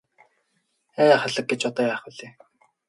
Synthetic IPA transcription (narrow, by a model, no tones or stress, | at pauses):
æːjaχɔɮɞ̆k̚ɡet͡ɕɔt̪ɔːjæːχʊɮeː